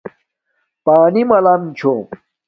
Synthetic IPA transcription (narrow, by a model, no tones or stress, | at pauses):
paːnimɐlamt͡ɕʰo